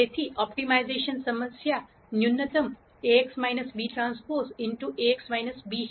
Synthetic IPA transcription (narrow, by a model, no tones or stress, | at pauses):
et̪ʰiʔɔp̚ʈimajzeʃənsəməsja | njunːət̪əm | eeksmajnəsbiʈɾãnspoɾsɪɳʈuʔeeksmajnəsbi